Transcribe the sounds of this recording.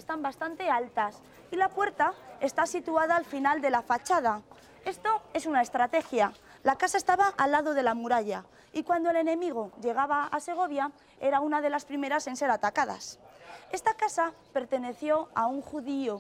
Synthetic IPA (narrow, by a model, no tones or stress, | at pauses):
est̪ambast̪ant̪e̞alt̪as | ilapwe̞ɾt̪ae̞st̪asit̪uaðaːlfinald̪e̞lafat͡ʃað̞a | e̞st̪o̞e̞sunae̞st̪ɾat̪e̞xjalakasae̞st̪aβaʔalːaðo̞ðe̞lamuɾaʎa | ikwand̪oele̞nẽ̞miɣ̞oʎe̞ɣ̞aβaa̰se̞ɣ̞o̞β̞ja | e̞ɾaunaðe̞laspɾime̞ɾase̞nse̞ɾat̪akaða̰se̞st̪akasa | pe̞ɾt̪e̞ne̞θjo̞auŋxuðio